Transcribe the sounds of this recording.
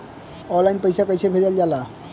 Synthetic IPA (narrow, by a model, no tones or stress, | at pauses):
ɔlːaɪinpəjsakəjsebʱed͡ʒəld͡ʒala